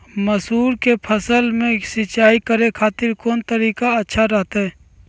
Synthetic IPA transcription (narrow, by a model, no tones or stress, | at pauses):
məsuːɾkepʰəsəlmẽsɪt͡ʃaːikəɾekʰaːt̪ɪɾkoːnt̪əɾiːkaətːʃʰaɾəɦt̪ɦɛː